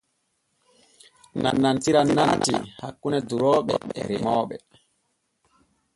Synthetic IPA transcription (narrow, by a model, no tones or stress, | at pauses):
na̰nːantiɾanːantḭhakːunɛduɾɔːɓɛ̰ɛ̰ɾimɔːɓɛ